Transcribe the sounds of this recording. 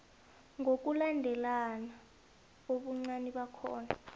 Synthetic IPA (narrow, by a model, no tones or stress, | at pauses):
ŋʱok̬ʼulandʱɛlana | oɓuŋ͡ǀaniɓakʰɔ̰ːna